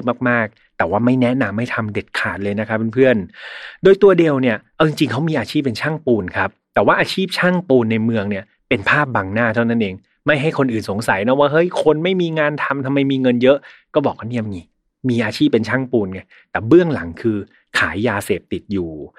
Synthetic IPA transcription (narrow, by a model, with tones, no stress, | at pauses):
maː˥˩k̚maː˥˩k̚ | t̪ɛː˨˩waː˥˩ma˥˩jnɛ˦˥na˧mːa˥˩jt̪ʰa˧mde˨˩t̪̚kʰaː˨˩t̪̚lɤː˧jna˦˥kʰa˦˥p̚ːe˧npʰɯ˥˩əndoː˧jt̪u˧ɐdi˧əwni˥˩ɐʔa˧˩wt͡ɕi˧ŋt͡ɕi˧ŋkʰa˦˥wmiː˧ʔaː˧t͡ɕʰiː˥˩p̬̚ːe˧nt͡ɕʰaː˥˩ŋpuː˧nkʰa˦˥p̚t̪ɛː˨˩waː˥˩ʔaː˧t͡ɕʰiː˥˩p̚t͡ɕʰaː˥˩ŋpuː˧nːa˧jmɯ˧əŋni˥˩ɐ | pe˧npʰaː˥˩p̚ba˧ŋnaː˥˩t̪ʰa˥˩wna˦˥nʔeː˧ŋ | ma˥˩jɦa˥˩jkʰo˧nʔɯː˨˩nso˨˩˦ŋsa˩˦jnɔ˦˥waː˥˩ɦɤ˦˥˩jkʰo˧nma˥˩jmiː˧ŋaː˧nt̪ʰa˧mt̪ʰa˧mːa˧jmiː˧ŋɤ˧njɤ˦˥ʔkɔː˥˩bɔː˨˩k̚waː˥˩ni˥˩˨m˧ŋiː˧˩ | miː˧ʔaː˧t͡ɕʰiː˥˩pːe˧nt͡ɕʰaː˥˩ŋpuː˧nŋa˧˩ | t̪ɛː˨˩bɯ˥˩əŋla˩˦ŋkʰɯː˧ | kʰaː˩˦jːaː˧seː˨˩p̚t̪i˨˩t̪̚juː˨˩